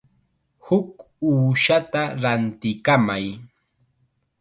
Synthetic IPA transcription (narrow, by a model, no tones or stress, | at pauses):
hʊk | uːʃat̪aɾant̪ɪkamaj